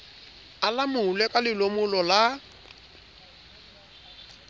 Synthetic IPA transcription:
alamʊlɛkʼalɪlomʊlɔla

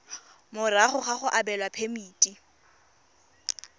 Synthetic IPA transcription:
mʊraχʊχaχʊʔabɛlwapʰemiːtʼi

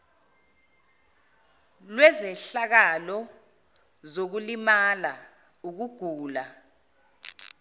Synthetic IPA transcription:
lwɛzɛɬak̬alɔ | zok̬ulimala | uk̬uɡ̥ʱuːla

